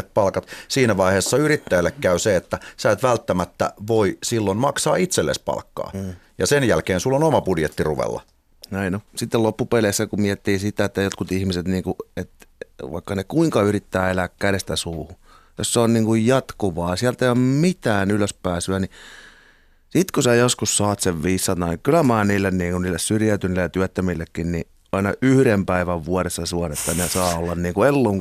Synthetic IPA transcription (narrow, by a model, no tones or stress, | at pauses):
etppɑlkɑt̪siːnæʋɑiheːsːɑyrit̪ːæjælːekkæyseet̪ːæsæːt̪ʋælt̪ːæmæt̪ːæ̰ʋoisilːonmɑksɑːit̪selːḛspɑ̰lkːɑ̰ːjɑsenjælkeːnsulːonomɑpudjet̪ːirṵʋḛlːɑ̰ | næinosit̪ːelopːupeleːsːækummiɛt̪ːiːsit̪æet̪ːæjot̪kut̪ihmiset̪niːŋkuet̪ʋɑ̰ikːɑnekuiŋkɑyrit̪ːæːelæːkkædest̪æsuːhu | jo̰sːeonniːŋkujjɑt̪kuʋɑːsiælt̪eiommit̪æːnyløspæːsyæni | sit̪kusæjoskussɑːt̪seʋʋiːsːɑt̪ɑkylæmæːniːlːenniːŋkunniːlːessyrjæyt̪ynlːejɑt̪yæt̪ːæmilːekːinni | ɑinɑʔyhyɾempæiʋæʋʋuɑɾesːɑsuɑnet̪ːænesɑːolːɑnniːŋkuelːoŋ